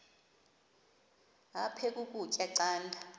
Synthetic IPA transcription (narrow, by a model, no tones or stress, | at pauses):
a̰pʰɛkʼukʼut͡ʃʼɛǀaːndʱa